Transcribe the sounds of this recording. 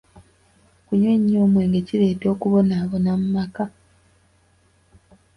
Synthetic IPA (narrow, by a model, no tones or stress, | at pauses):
kuɲeɲːoːmwe̞ːŋɡeciɾe̞ːto̞ːkuβo̞naːβo̞namumaka